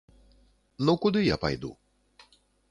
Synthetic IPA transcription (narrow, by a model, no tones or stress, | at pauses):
nokud̪ɨjapa̰jd̪ṵ